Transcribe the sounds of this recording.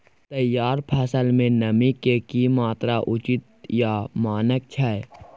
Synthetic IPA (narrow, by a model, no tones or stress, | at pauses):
t̪əjːaːɾpʰɛːsəlmẽnəmikekimaːt̪ɾaʔʊt͡ʃɪt̪jamaːnək̚t͡ʃʰae